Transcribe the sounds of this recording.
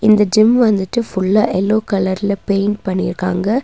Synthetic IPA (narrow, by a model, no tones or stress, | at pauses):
ɪnd̪ɐd͡ʒɪmʋɐnd̪ɯʈːɯfʊɭːaːʔɛlːoːkɐlɐɾɪlɐpeːɳʈ̚pɐɳːɪɾɯkːaːŋɡɐ